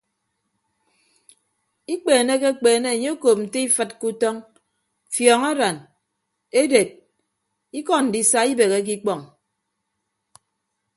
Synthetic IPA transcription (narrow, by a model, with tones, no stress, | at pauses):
i˦k͡peː˨ne˦ke˦k͡peː˨ne˦˨e˨ɲe˦o˦koː˨p̚n̩˨te˦i˦fɨ˦t̚ku˦tɔ˦ŋ | fjɔ˨ŋa˦ɾa˨n | e˦de˨t̚ | i˦kɔ˦n̩˨di˦sa˦i˦be˨ɣe˦k̬i˦k͡pɔ˨ŋ